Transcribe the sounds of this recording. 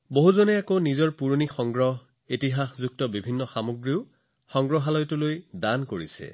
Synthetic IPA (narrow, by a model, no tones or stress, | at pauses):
boɦuzɔnɛakonizɔɹpuɹonixɔŋɡɹɔɦ | itiɦaxzuk̚tɔbibʱinːɔxamoɡɹiʊ | xɔŋɡɹɔɦalɔjtʊlojdankoɹisɛ̰